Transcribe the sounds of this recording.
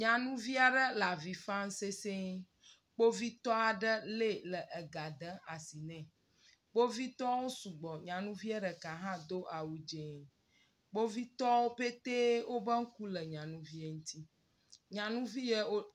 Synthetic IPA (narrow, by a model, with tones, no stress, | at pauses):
ɲã˨nũ˦vi˦a˨ɖə˦la˨vi˨fã˦ŋ̩˦se˦se˦ | k͡po˦vi˦t̪ɔ˦a˨ɖə˦le˦lə˨ʔə˨ɡa˨d̪ə˦a˨si˨nɛ̃˨ | k͡po˦vi˦t̪ɔ˦wo˦su˨ɡ͡bɔ˨ɲã˨nũ˦vi˦ɛ˦ɖə˨ka˨ɦã˦d̪o˦ʔa˨wu˦d͡ʒe˨ | k͡po˦vi˦t̪ɔ˦wo˦pe˦t̪e˦wo˦bə˦ŋ̩˦ku˦lə˨ɲã˨nũ˦vi˦e˨ŋũ˦t̪ʰi˦ | ɲã˨nũ˦vi˦je˦o˦